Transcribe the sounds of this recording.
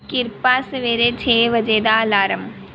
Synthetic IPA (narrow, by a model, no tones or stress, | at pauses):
kɪɾpaːsɐʋeːɾeːt͡ʃʰeːʋɐd͡ʒeːd̪aːlaːɾɐm